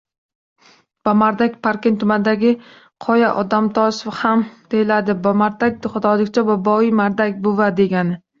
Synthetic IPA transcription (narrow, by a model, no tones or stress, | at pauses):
b̥ɒmaɾd̪akʲpʰaɾkʲɪnt̪ʰʊmand̪aɡʲɪ | qʰɒjaʔɒd̪amt̪ʰɒʃfhamd̪̥ejɪlad̪ɪbɒmaɾd̪ak̪̚ʲχʊd̪ɒlˠɪkʲt͡ʃʰabɒbɒimaɾd̪akʲbʊvad̪e̞ɡʲanɪ